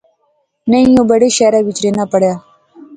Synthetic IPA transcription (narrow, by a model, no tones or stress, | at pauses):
nəĩjõːbəɽeːʃɛːɾaːʋɪt͡ʃɾeːnaːpəɽjaː